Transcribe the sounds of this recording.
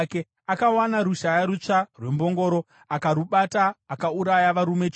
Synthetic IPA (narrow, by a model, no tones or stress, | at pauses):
ke | akawanaɾuʃajaɾut͡ʂarwe̞mbo̞ŋɡo̞ɾo̞ | akaɾuɓataːkauɾajaʋaɾume̞t͡ʃ